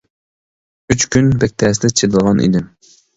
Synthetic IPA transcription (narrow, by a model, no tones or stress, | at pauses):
yt͡ʃkʲʰynbɛk̚ʲt̪ʰɛːsɪd̪ɛt͡ʃʰed̪ɨlˠʁɑnḭd̪ɪm